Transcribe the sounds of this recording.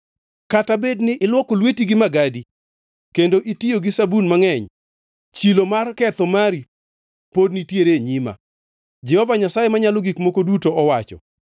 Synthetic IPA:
katabednɪʔɪlwɔkolwetiɡɪmaɡadi | kendoʔitijoɡisabunmaŋɛɲ | t͡ʃilomarkɛt̪ɔmaɾi | podnitjeɾeɲima̰ | d͡ʒɛhɔvaɲasajemaɲaloɡikmokodutoɔwat͡ʃɔ̰

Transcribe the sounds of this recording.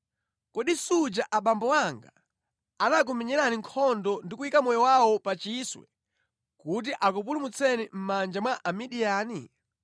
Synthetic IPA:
kɔɗisud͡ʒaʔaɓambɔwaŋɡa̰ | anak̬umɛɲɛɾaniŋkʰɔndɔndikuikamɔjɔwawɔpat͡ʃiswɛ̰ | kut̬iʔak̬up̬ulumut͡sʰɛnim̩mand͡ʒamwaʔamiɗijaːni

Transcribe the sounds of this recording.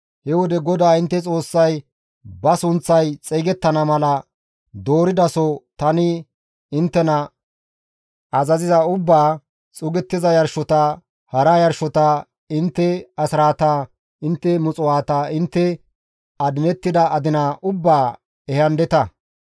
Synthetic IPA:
hɛwɔd̪ɛɡɔd̪aːɪnt̪ːɛt͡sʼo̞ːsːɐj | bɐsʊnt͡sːɐjt͡sʼɛɡɛt̪ːɐnɐmɐlɐ | d̪o̞ːɾɪd̪ɐsɔt̪ɐnɪ | ɪnt̪ːɛnɐ | ɐzɐzɪzɐʊbːaː | t͡sʼʊɡɛt̪ːɪzɐjɐɾʃɔt̪ɐ | hɐɾajɐɾʃɔt̪a | ɪnt̪ːɛɐsɪɾaːt̪aː | ɪnt̪ːɛmʊt͡sʼʊwaːt̪aːɪnt̪ːɛ | ɐd̪ɪnɛt̪ːɪd̪ɐʔɐd̪ɪnaʔʊbːaː | ɛhɐnd̪ɛt̪ɐ

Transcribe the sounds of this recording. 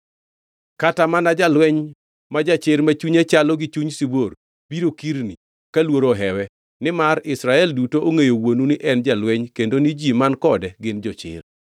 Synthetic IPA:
katamanad͡ʒalwɛɲ | mad͡ʒat͡ʃɪɾmat͡ʃuɲat͡ʃalɔɡɪt͡ʃuɲsibor | b̥iɾokiɾni | kalwoɾoɦɛwɛ | nɪmaɾɪsɾaɛldutoʔoŋejowonunɪʔɛnd͡ʒalwɛɲkendonid͡ʒimankɔdɛɡɪnd͡ʒɔt͡ʃɪ̰r

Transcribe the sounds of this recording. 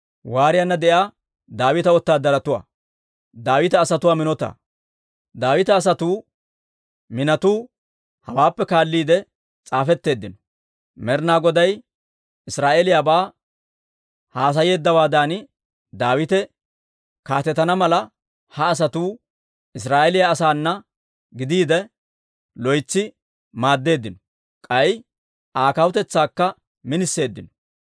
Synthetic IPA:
waːɾɪjɐnːɐd̪ɛʔjaː | d̪aːwɪt̪ɐɔt̪ːaːd̪ɐɾɐt̪ʊwa̰ː | d̪aːwɪt̪ɛːsɐt̪ʊwaːmɪnɔt̪a̰ː | d̪aːwɪt̪ɐːs̬ɐt̪uː | mɪnɐt̪uː | hɐwaːpːɛkaːlːiːd̪ɛ | t͡sʼaːfɛt̪ːe̞ːd̪ːɪnɔ̥ | mɛɾnaːɡɔd̪ɐj | ɪsɾaːʔeːlɪjaːbaː | haːs̬ɐje̞ːd̪ːɐwaːd̪aːnɪ | d̪aːwɪt̪ɛ | kaːt̪ɛt̪ɐnɐmɐlɐ | hɐːs̬ɐt̪uː | ɪsɾaːʔɛlɪjaːsaːnːɐ | ɡɪd̪iːd̪ɛ | lɔjt͡sːɪ | maːd̪ːe̞ːd̪ːɪnɔ | kʼɐj | ʔaːkɐwʊt̪ɛt͡sːaːkːɐ | mɪnɪsːe̞ːd̪ːɪnɔ̥

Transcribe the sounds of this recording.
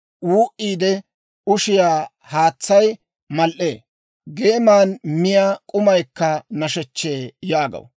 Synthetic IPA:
wuːʔiːd̪ɛ | ʊʃɪjaː | haːt͡sːɐj | mɐlʔe̞ː | ɡeːmaːnmɪjaːkʼʊmɐjkːɐnɐʃɛt͡ʃːeːjaːɡɐ̰w

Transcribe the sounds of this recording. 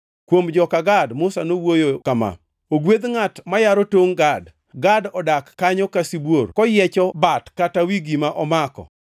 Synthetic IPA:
kwomd͡ʒɔkaɡadmʊsanowojokama̰ | oɡwed̪ŋatmajaɾɔtoŋɡad | ɡadɔdakːaɲɔkasibworkɔjɛt͡ʃɔbatkatawiɡimaʔɔmakɔ̰

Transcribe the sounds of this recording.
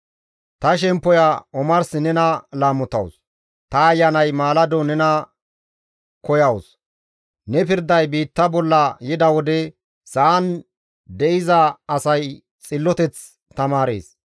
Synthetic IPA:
t̪ɐʃ̬ɛmpːɔjɐɔmɐɾsɪnɛnɐlaːmːʊt̪ːɐ̰ws | t̪ɐːjːɐnɐjmaːlɐd̪ɔnɛnɐ | kɔjɐws | nɛpɪɾd̪ɐjbiːt̪ːɐbɔlːɐjɪd̪ɐwɔd̪ɛ | sɐʔɐn | d̪ɛʔɪzɐːsɐj | t͡sʼɪlːɔt̪ɛt͡s | t̪ɐmaːɾḛːs

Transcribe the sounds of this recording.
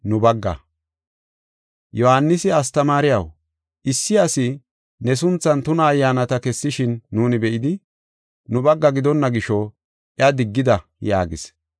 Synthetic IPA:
nʊbɐɡːɐ̰ | jɔhanːɪsɪɐst̪ɐmaːɾɪjɐw | ʔɪsːɪjasɪ | nɛs̬ʊnt͡sːɐnt̪ʊnɐːjːaːnɐt̪ɐkɛsːɪʃɪnːuːnɪbɛʔɪd̪ɪ | nʊbɐɡːɐɡɪd̪ɔnːɐɡɪʃɔ | ɪɐd̪ɪɡːɪd̪ɐja̰ːɡɪ̰s

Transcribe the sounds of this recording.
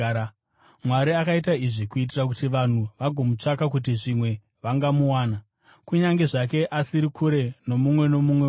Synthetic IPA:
mwaɾiakait̬aiʐikuit̬irak̬utiʋan̤uʋaɡʱo̞mut͡ʂakak̬ut̬iʐimwe̞ | ʋaŋɡamuwaːna | kuɲaŋɡe̞ʐake̞ʔasiɾikʰuɾe̞no̞mumwe̞no̞mumwe

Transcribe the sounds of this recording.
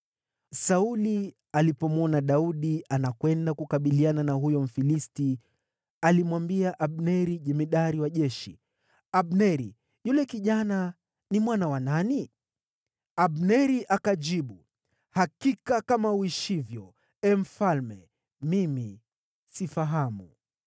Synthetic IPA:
sauli | alipɔmɔnaɗauɗiʔanakwɛndakukaɓiliananaɦujɔm̩filisti | alimwambiaʔaɓnɛɾiʄɛmiɗaɾiwaʄɛʃḭ | aɓnɛɾi | julɛkiʄana | nimwanawanani | aɓnɛɾiʔakaʄiɓu | hakikakamauiʃivjɔ | ɛm̩falmɛ | mimi | sifaɦamu

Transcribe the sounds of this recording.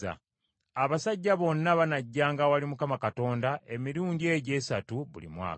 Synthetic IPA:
a̰ | aβasaɟːaβo̞nːaβanaɟːaːŋɡawalimukamakato̞ːndaʔe̞miɾuːɲɟie̞ɟe̞ːsatuβṵlḭmwa̰ː

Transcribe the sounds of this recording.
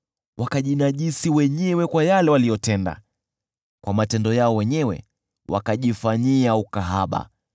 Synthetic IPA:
wʔakaʄinaʄisiwɛɲɛwɛkwajalɛwalijɔtɛnda̰ | kwʔamatɛndɔjaɔwɛɲɛwɛ̰ | wa̰kaʄifaɲiaukaɦaɓa̰

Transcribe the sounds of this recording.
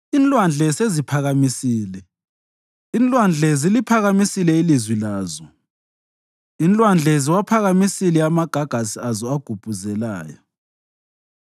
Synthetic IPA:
inlʼwand͡ɮʱɛsezipʰaɣamisiːlɛ | inlʼwand͡ɮʱezilipʰaɣamisilɛilizwilaːzɔ | int͡ɬʼwand͡ɮʱɛziwapʰaɣamisilɛamaɡ̥ʱaɡ̥ʱasiazɔaɡ̥ʱub̥ʱuzɛlaːjɔ

